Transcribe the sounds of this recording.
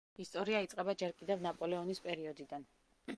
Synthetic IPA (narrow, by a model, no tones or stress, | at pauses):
ist̪ʼɔɾiait̪sʼqʼɛbad͡ʒɛɾkʼid̪ɛvnapʼɔlɛɔnispʼɛɾiɔd̪id̪an